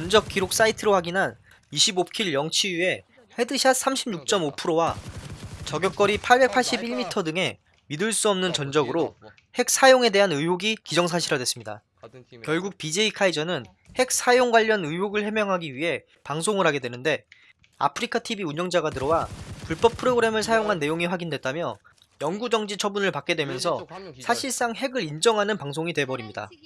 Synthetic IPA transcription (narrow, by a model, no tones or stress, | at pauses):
ʌnd͡ʑʌk͈iɾok̚s͈aitʰɯɾohaɡinɦan | iɕʰibokʰiɭjʌŋt͡ɕʰijue̞ | he̞dɯɕʰasʰamɕʰibɲuk̚t͡ɕ͈ʌmopʰɯɾowa | t͡ɕʌɡjʌk͈̚ʌɾipʰaɭbe̞k̚pʰaɭɕ͈ibiɭmitʰʌdɯŋe̞ | midɯɭs͈uʌmnɯnt͡ɕʌnd͡ʑʌɡɯɾo | hek̚s͈ʰajoŋe̞de̞ɦanɯoɡikid͡ʑʌŋs̬ʰaɕʰiɾadwe̞s͈ɯmɲida̰ | kjʌɭɡuk̚pid͡ʑe̞ikʰaid͡ʑʌnɯn | he̞k̚s͈ʰajoŋɡwaʎːʌnɯwoɡɯɭhe̞mjʌŋɦaɡiɥiɦe̞ | paŋsʰoŋɯɾɦaɡe̞dwe̞nɯnde̞ | a̰pʰɯɾikʰatʰibiuɲʌŋd͡ʑaɡatɯɾʌwapuɭp͈ʌp̚pʰɯɾoɡɯɾe̞mɯɭsʰajoŋɦanːe̞joŋiɸwaɡindwe̞t̚t͈amjʌ̰ | jʌŋɡud͡ʑʌŋd͡ʑit͡ɕʰʌbunɯɭpak͈e̞dwe̞mjʌnsʰʌsʰaɕʰiɭs͈aŋɦe̞ɡɯɾind͡ʑʌŋɦanɯnpaŋsʰoŋidwe̞bʌɾimɲida̰